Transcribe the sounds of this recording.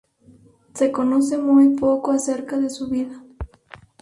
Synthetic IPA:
se̞konos̬e̞mujpo̞koase̞ɾkaðe̞suβiða

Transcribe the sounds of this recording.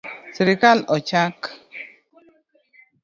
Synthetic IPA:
siɾikalɔt͡ʃak

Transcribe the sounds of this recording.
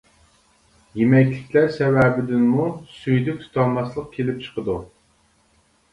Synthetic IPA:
jemɛkʲlɪkʲlæɾsɛwɛbɪd̪ɪnmusyjd̪yk̚ʲt̪ʰu̥t̪ʰɑnmɑslˠəq̚kʲʰelɪp̚t͡ʃʰə̥qəd̪u

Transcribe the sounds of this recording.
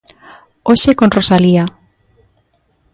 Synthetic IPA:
oʃekonrosalia

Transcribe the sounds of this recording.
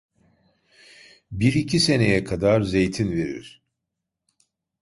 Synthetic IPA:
biɾicʰise̞nejɛkʰad̪aɾze̞jt̪ʰinve̞ɾḭɾ̥

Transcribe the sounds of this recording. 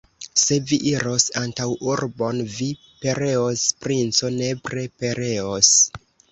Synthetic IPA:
se̞viʔiɾo̞santawuɾbo̞nvi | pe̞ɾe̞ospɾint͡so̞ne̞pɾe̞pe̞ɾe̞os

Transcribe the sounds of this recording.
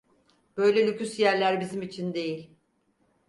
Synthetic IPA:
b̥ø̞jlʲɛlʲycysjæɾlʲæɾbizimit͡ʃʰind̪e̞jilʲ

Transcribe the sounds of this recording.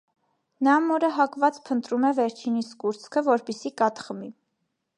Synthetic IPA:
nɑmɔɾəɦɑkvɑt͡spʰənt̪ɾumɛvɛɾt͡ʃʰiniskuɾt͡sʰkʰəvɔɾpɛsikɑt̪χmi

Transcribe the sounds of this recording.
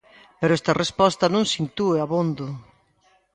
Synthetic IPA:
peɾʊɛst̪ɐrespɔst̪ɐnõŋsint̪ueaβond̪ʊ

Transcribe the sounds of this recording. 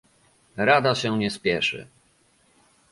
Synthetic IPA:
ɾad̪aɕɛɲɛspʲjɛʂɘ̰

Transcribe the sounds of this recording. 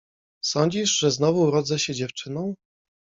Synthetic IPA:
sɔɲd͡ʑiʐʐɛznɔvuːɾɔd̪zɛɕɛd͡ʑɛft͡ʂɘnɔ̃w̃

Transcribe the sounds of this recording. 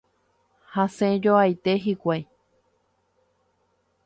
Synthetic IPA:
hasẽd͡ʒoajt̪eɦikʷaj

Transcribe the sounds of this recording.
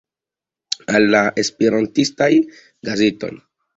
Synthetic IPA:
alːaʔespiɾantistaj | ɡazeto̞̰n

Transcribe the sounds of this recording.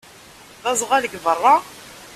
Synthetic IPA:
ðɑzˤʁæləɡvərˤːɑ

